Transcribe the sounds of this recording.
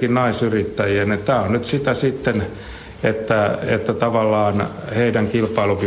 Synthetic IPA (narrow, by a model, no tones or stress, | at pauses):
innɑisyrit̪ːæjienet̪æːonnyt̪sit̪æsit̪ːen | et̪ːæḛt̪ːæt̪ɑʋɑlːɑːnheidæŋkilpɑiluky